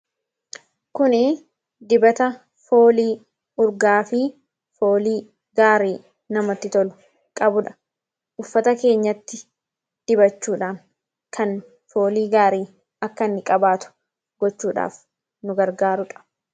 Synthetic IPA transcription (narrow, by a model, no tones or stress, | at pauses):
kʊnɪ | d̪ɪbɐt̪ɐ | fo̞ːliː | ʊɾɡaːfɪ | fo̞ːliː | ɡaːɾiː | nɐmɐt̪ːɪt̪ɔlʊ | kʼɐbʊᶑɐ̥ | ʔʊfːɐt̪ɐke̞ːɲːɐt̪ːɪ | d̪̥ɪbɐt͡ʃːuːᶑaːn | kʰɐn | fo̞ːliːɡaːɾiː | ɐkːɐnːɪkʼɐbaːt̪ʊ̥ | ɡ̥ɔt͡ʃːuːᶑa̰ːf | nʊɡɐɾɡaːɾʊᶑɐ̥